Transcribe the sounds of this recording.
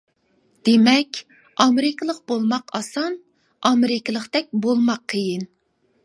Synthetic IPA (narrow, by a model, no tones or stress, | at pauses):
d̪̥emɛkʲ | ɑmɪɾɪkʲlˠəq̚bolˠmɑqɑsɑn | ɑmeɾɪkʰʲɪlˠəqt̪ɛk̚ʲbolˠmɑqʰːəjin